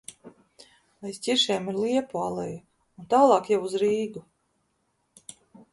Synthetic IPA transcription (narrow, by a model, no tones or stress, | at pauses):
ajst̪ʲiɾʃɛɛmiɾlˠiɛpualˠɛja | unt̪aːlˠɑːkjawuzɾiːɡu